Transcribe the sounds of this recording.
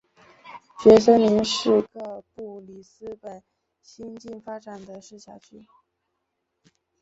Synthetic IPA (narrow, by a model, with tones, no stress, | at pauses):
t͡ɕɥɛ˧˥s̬ɤ˥ŋli˧˥ŋʂɻ̩˥˧kɤ˥˧pu˥˩li˨˩sɹ̩˥pə˨˩n | ɕi˥nt͡ɕi˥˩nfa˥ʈ͡ʂa˨˩nd̪ə˦ʂɻ̩˥˩ɕja˥˩t͡ɕʰy˥